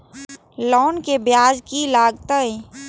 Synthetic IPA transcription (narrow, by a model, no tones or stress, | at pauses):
lɔːnkebjaːd͡ʒkilaːɡt̪əẽ